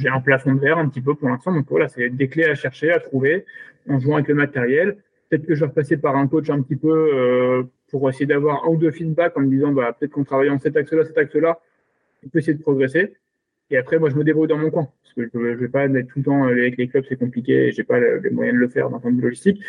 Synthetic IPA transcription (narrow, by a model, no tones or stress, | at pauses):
ʒeɛ̃plafɔ̃vɛʁɛ̃pət̪ip̬øpuʁlɛ̃st̪ɑ̃d̪ɔ̃kvwa̰lasɛd̪ekleaʃɛʁʃeat̪χuveɑ̃ʒuwɑ̃avɛkləmat̪eʁjɛl | pə̥t̪ɛt̪χkəʒəvaʁpasepaʁɛ̃kot͡ʃɛ̃pət̪ipøøpuʁesejed̪avwaʁɛ̰̃ud̪øfid̪̚bakɑ̃məd̪izɑ̃bapø̥t̪ɛt̪χkɑ̃t̪χavajɑ̃sɛt̪aksəlasɛt̪aksəla | ɔ̃pøesejed̪əpχɔɡʁese | eapχɛmwaʒəməd̪ebʁujd̪ɑ̃mɔ̃kwɛ̃paʁskəʒəøʒəvɛpamɛt̪t̪ult̪ɑ̃leɛkleklœbsɛkɔ̃plik̬ʲeḛʒepalə̰lḛmwa̰jɛ̃d̪ələfɛ̰ʁd̪ɑ̃fɔ̃d̪vylɔʒist̪ikʲ